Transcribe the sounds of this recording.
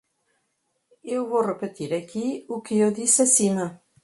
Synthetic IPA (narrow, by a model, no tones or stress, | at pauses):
ewβorepet̪iɾakiukeoðisasina